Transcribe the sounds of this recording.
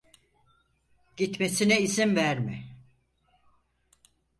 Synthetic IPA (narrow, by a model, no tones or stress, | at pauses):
ɟ̥it̪mesinɛisimvæɾmɪ